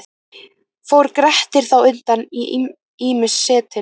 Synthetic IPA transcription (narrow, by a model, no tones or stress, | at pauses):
fowɾkɾɛht̪ɪɾ̥θawʏnt̪ani | iːmʏsːɛːt̪ɪ